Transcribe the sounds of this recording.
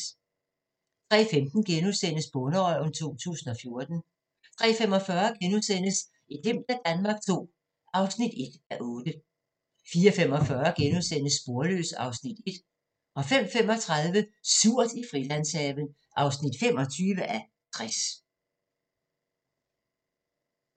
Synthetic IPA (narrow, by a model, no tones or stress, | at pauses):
t͡sʰʁɛ̰ːfemd̥n̩ɡ̥enusen̰əsb̥ɔ̽nəɒnt͡sʰo̝̰ːt͡sʰṵːsn̩ɒ̽fjo̝ɐd̥n̩ | t͡sʰʁɛ̰ːfem̰ɒ̽fɶɐɡ̥enusen̰əs | id̥em̰d̥æd̥ænmɑ̈ːɡ̥t͡sʰo̝̰ː | ʔɑ̈ʊsnid̥e̝d̥æʔɔ̽ːd̥ə | fiːɐfem̰ɒ̽fɶɐɡ̥enusen̰əsːb̥o̝ɐlø̰ːsɑ̈ʊsnid̥e̝d̥ | ɒ̽fem̰fem̰ɒ̽t͡sʰʁaðˠʋəsuɐ̰d̥ifʁilæn̰sɛʋən̩ | ʔɑ̈ʊsnid̥fem̰ɒ̽t͡sʰyːʋəʔæ | t͡sʰʁas